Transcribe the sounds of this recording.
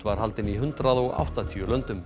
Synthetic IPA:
vaɾ̥halt̪ɪniɦʏnt̪ɾaðɔɣa̰wht̪at̪ʰiʏlœnt̪ʏm

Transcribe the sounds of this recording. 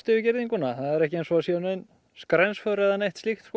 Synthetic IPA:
t̪ɪvɪcɪɾðiŋkʏnːaθaðɛɾɛhcɪejnsvɔasɛanejn | skɾɛnsfœɾɛðaneht̪slixt̪sk

